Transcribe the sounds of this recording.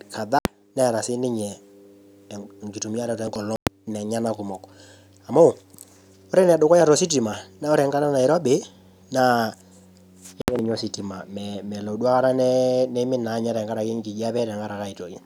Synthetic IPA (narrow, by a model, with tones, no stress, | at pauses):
ka˨ða˦ | nɛ˦˨ɾa˨sɪ˦nɪ˦ɲɛ˨ | ŋki˨tu˨mi˦a˦ɾɛ˨tɔ˨ɛ˦ŋkɔ˨lɔ˦nɛ˨ɲa˦na˦kʊ˨mɔ˨k | a˨mɔ˦˨ | o˦ɾɛ˦nɛ˨dʊ˨kɔ˦ja˦ɾɔ˨si˦t̬i˨ma˨na˦o˦ɾɛ˨ŋka˦na˦na˨ɪ˨ɾɔ˦bɪ˨˦ | na˦ | a˦kɛ˦nɪ˨ɲɔ˦si˨ti˨ma˨mɛmɛ˨lo˨du˦a˦ka˦ɾa˦nɛ˦nɛ˦mɪ˦na˨˦ɲa˦ɾɛ˨ŋka˦ɾa˨kɪ˦ŋ˦ki˨d͡ʒa˦pɛ˦tɛ˨ŋɡa˦ɾa˨ka˦i˨to˨jɛ˨